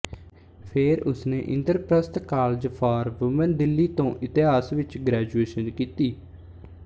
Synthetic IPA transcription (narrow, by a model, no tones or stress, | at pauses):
pʰeːɾʊsnẽːʔɪ̃nd̪əɾpɾəst̪kaːld͡ʒpʰɔːɾʋʊmənd̪ɪlːiːt̪õːʔɪt̪ɪɦaːsʋɪt͡ʃɡɾɛːd͡ʒueːʃənkiːt̪iː